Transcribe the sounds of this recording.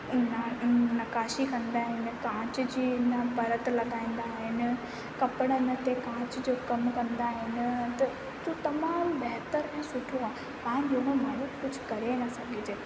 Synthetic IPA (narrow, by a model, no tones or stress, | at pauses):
nanɐkaːʃikɐ̃nd̪aːɦɪnɪ̆kãːt͡ɕd͡ʑiːnɐpɐɾət̪lɐɡaːĩːn̆d̪aɦɪnɪ̆ | kɐpɪɽ̃ənɪ̆t̪ekãːt͡ɕd͡ʑoːkɐmkɐ̃nd̪aːɦɪnɪ̆t̪ɐ | t̪ũːt̪ɐmaːmbɛɦt̪əɾɛ̃ːsʊʈʰoaː | pãːɪ̃nd͡ʑoɦõmaːjʊkkʊd͡ʑʱkɐɾenɐsɐɡʱɪd͡ʑeː